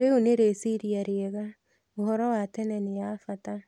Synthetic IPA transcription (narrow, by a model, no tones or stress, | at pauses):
eoneɾesiɾiaɾeɛɣa | ohɔɾɔwatɛnɛneafata